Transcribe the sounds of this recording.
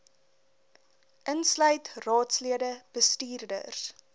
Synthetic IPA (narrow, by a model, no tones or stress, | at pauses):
ʔənslœɥtrɑːtsliədəb̥əstiːrdə̰rs